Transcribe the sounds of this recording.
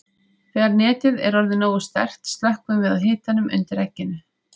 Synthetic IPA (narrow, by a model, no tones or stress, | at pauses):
θvɛːɣaɾnɛːt̪ɪðɛ̰ɾɔɾðɪnoːwʏst̪ɛ̰r̥t̪st̪lahkvʏmvɪðaðɦɪːt̪anʏmʔʏ̰nt̪ɪɾɛcːɪnʏ